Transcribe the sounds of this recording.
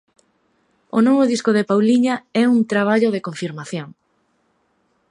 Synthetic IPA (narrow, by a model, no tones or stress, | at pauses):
onoβʊðiskʊðepawliɲaɛuŋt̪ɾaβ̞aʎoðekoɱfiɾmaθjoŋ